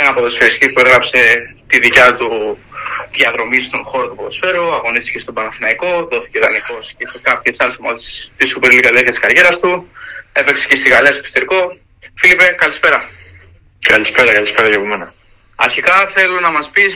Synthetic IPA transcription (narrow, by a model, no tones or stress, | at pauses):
enɐpo̞ðo̞sfeɾist̪ipueɣɾɐpse̞t̪iðicɐt̪u | ðjɐðɾo̞mist̪o̞nxo̞ɾot̪opoðo̞sfe̞ɾoɐɣo̞nist̪i̥cest̪o̞bɐnɐθinɐiko̞ðo̞θi̥ceðɐniko̞scesekɐpçesɐlesomoðsst̪isupeɾlikɐt̪eɾçɐt̪iskɐɾʝe̞ɾɐst̪ue̞peksecest̪iɣɐleɐst̪opist̪eɾiko̞ | filipekɐlispe̞ɾɐ | kɐlispeɾɐkɐlispeɾɐjeɣumenɐ | ɐɾçikɐθe̞lo̞nɐmɐspis